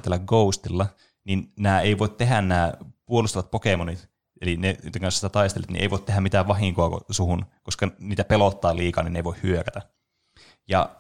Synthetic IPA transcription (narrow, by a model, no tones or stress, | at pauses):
t̪ːelːæɡɡoust̪ilːɑ | ninnæːeiʋoˑit̪t̪eɦænnæːpuolust̪ɑʋɑt̪̚pokemonit̪ | elinet̪eŋkɑnsi̥t̪æt̪ɑist̪elːet̪nḭʔḛiʋoˑt̪eɦæmit̪æːʋʋɑɦiŋkoɑko̰suhunkoskɑniːt̪æpelot̪ːɑːliːkɑ̰ninːeiʋoihhyøkæt̪æ | jɑ̰